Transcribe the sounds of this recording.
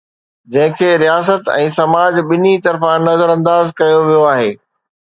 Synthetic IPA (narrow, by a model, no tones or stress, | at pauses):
d͡ʑɐ̃ɦɪ̃kʰeːɾijaːs̬ət̪ɛ̰̃ːsɐmaːd͡ʑɓɪnit̪ɐɾfãnɐzəɾɐ̃nd̪aːzkɐjoʋijoaːɦeː